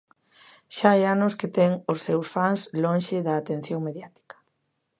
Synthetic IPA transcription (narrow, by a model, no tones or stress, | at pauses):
ʃaejanʊsket̪ɛŋʊsːewsfaŋslõnʃɪðɐːt̪ẽn̟θjoŋmeðjat̪i̥kɐ̥